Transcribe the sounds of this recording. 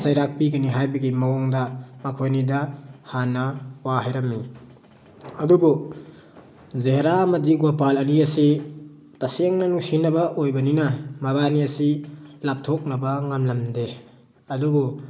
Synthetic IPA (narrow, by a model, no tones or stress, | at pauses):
zajɾak̚piɡɐniɦajbɐɡimɐwɔŋdɐmɐkʰojnidɐhanːɐwaɦajɾɐmːi | ɐdubu | zeɦeɾaɐmɐdiɡopalɐniɐsi | taseŋnɐnusinɐbɐʔojbɐninɐmɐβaniɐsilap̚tʰok̚nɐbɐŋamlɐmde | ɐdubu